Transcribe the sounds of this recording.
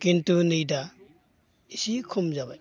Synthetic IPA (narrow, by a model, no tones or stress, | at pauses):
kintunijda | isikʰumzabaj